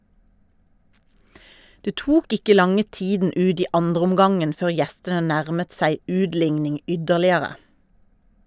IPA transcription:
ˈdeː ˈtuːk ˈɪkə ˈlɑŋə ˈtiːdn̩ ˈʉːd ˈiː ˈɑndʁəʊmˌɡɑŋən ˈføːʁ ˈjɛstənə ˈnæʁmət ˈsæɪ ˈʉːdˌlɪŋnɪŋ ˈʏdəʁlɪəʁə

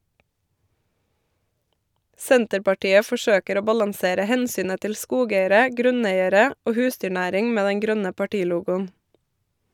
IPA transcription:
ˈsɛntəɾpɑˌʈiːə fɔˈʃøːkəɾ ˈoː ˈbɑlɑŋˌseːɾə ˈhɛnˌsyːnə ˈtɪl ˈskuːˌɡeɪəɾə ˈɡɾʉˌneɪəɾə ˈoː ˈhʉːsdʏˌɳæːɾɪŋ ˈmeː ˈdɛŋ ˈɡɾœnə pɑˈʈiːˌluːɡʊn

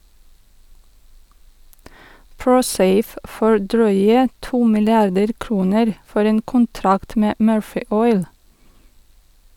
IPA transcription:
ˈpɹuːˌseɪf ˈfoː ˈɖɾœʏə ˈtuː mɪlɪˈɑɖəɾ ˈkɾuːnəɾ ˈfɔɾ ˈeːn kʊnˈtɾɑkt ˈmeː ˈmøːɹfɪ ˈɔʏl

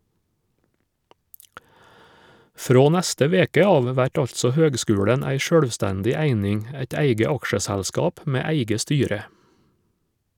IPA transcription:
ˈfɾoː ˈnæstə ˈʋeːkə ˈɑːʋ ˈʋæʈ ˈɑʎtsɔ ˈhøːɡˌskʉːɽən ˈæɪ ˈʃøːɽʋˌstændɪ ˈæɪnɪŋ ə ˈæɪt ˈæɪɡə ˈɑkʃəˌsælskɑːp ˈmeː ˈæɪɡə ˈstyːɾə

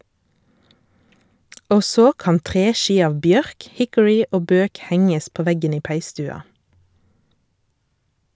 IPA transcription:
ˈoː ˈsoː ˈkɑːn ˈtʁeːˌʃiː ˈɑːʋ ˈbjœʁk ˈhɪkʊɹɪ ˈoː ˈbøːk ˈhɛŋəs ˈpoː ˈʋɛɡən ˈiː ˈpæɪˌstʉːɑ

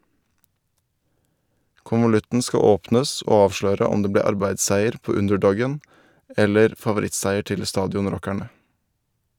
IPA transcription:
kʊnʋʊˈlʉtn̩ ˈskɑ ˈoːpnəs ˈoː ˈɑːʋʃløːɾə ˈʊm ˈdeː ˈbleː ˈɑɾbæɪsˌsæɪəɾ ˈpoː ˈʉndɛˌɖɔɡən ˈɛləɾ fɑʋʊˈɾɪtsæɪəɾ ˈtɪl ˈstɑːdɪʊnˌɾɔkæɳə

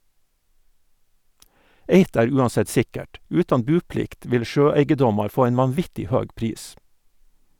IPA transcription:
ˈeɪt ˈæːɾ ˈʉːɑnˌsɛt ˈsɪkəʈ ˈʉːtɑn ˈbʉːˌplɪkt ˈʋɪl ˈʃøːˌæɪɡəˌdɔmɑɾ ˈfoː ˈæɪn ʋɑnˈʋɪtɪ ˈhøːɡ ˈpɾiːs

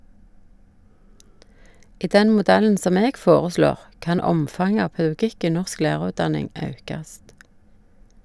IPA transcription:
ˈiː ˈdɛn mʊˈdɛln̩ ˈsɔm ˈeːɡ ˈfoːʁəˌsloːʁ ˈkɑn ˈɔmfɑŋə ˈɑː pɑʉˈɡɪk ˈiː ˈnɔʁsk ˈlæːʁʉːtˌdɑnɪŋ ˈɑʉkɑst

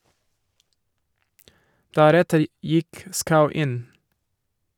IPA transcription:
ˈdæɾɛtəɾ ˈjɪk ˈskaʊ ˈɪn

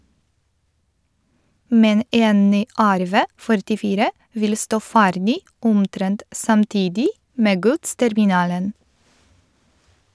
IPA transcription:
ˈmɛn ˈeːn ˈnyː ˈæɾˌʋeː fœɾʈɪˈfiːɾə ˈʋɪl ˈstoː ˈfæːɾdɪ ˈʊmˌtɾɛnt sɑmˈtiːdɪ ˈmeː ˈɡʉtstɛɾmɪˌnɑːlən

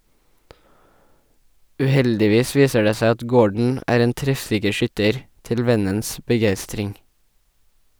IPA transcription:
ʉˈhɛldɪˌʋiːs ˈʋiːsə ˈɖeː ˈsæɪ ˈɑt ˈɡoːɖɳ̩ ˈæːɾ ˈeːn ˈtɾɛfˌsɪkə ˈʃʏtəɾ ˈtɪl ˈʋɛnəns bəˈɡæɪstɾɪŋ

